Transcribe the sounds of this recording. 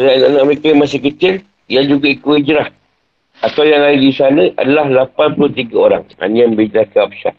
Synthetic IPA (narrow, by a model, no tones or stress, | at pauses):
adaanaʔnãʔməɾekaamas̬ɪhkət͡ʃɪl | jand͡ʒuɡaikoid͡ʒɾah | at̪awjaŋlajidisanəʔa̰dalahlapanpulʊht̪iɡaoɾa̰ŋa̰nijaŋbəid͡ʒɾahkaap̚ʃa̰